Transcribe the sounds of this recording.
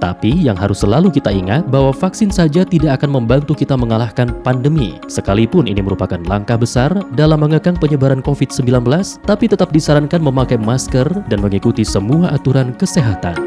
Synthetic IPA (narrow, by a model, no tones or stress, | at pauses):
t̪a̰pijaŋɦaɾʊsːəlalukit̪aiŋat̪̚bawafaksɪnsad͡ʒat̪idaʔakanməmbant̪ukit̪aməŋalahkanpandəmḭ | səkalipʊnʔḭniməɾupakanlaŋkahbəsardalamːəŋəkaŋpəɲəbaɾankofɪt̪̚səmbilanbəlast̪apit̪ət̪ap̚disaɾankanməmakajmaskərdanməŋikut̪isəmuaʔat̪uɾankəseɦat̪a̰n